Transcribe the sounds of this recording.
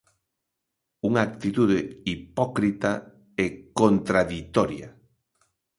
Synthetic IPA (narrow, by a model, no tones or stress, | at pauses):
uŋaːk̚t̪it̪uðeipɔkɾit̪a | ɛkont̪ɾaðit̪ɔɾja̰